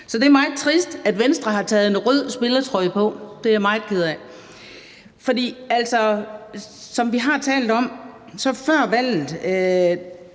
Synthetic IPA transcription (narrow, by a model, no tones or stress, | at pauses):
sɒ̽d̥e̝ɐmɑ̈ɪð̩ˠt͡sʰʁisd̥æd̥ʋensd̥ʁɐɦɑ̈t͡sʰɛ̰ːð̞̩ˠenʁœð̰ˠsb̥e̝lɐt͡sʰʁɒ̽ɪ̰pʰɒ̽d̥e̝æmɑ̈ɪð̩ˠkʰeð̞ˠæ | fɒ̽d̥ḭːæl̰sɒ | sɒ̽mʋiɦɑ̈t͡sʰɛ̰ːld̥ɒ̽m̰ | sɒ̽fɶɐ̰ʋæl̰ð̩ˠø